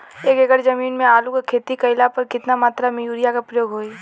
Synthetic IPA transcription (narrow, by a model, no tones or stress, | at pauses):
eːkeɡəɾd͡ʒəmiːnmẽaːlukakʰeːt̪ikɐɪlapɐɾkɪt̪namaːt̪ɾamẽjuːɾijakapɾəjoːɡɦoːi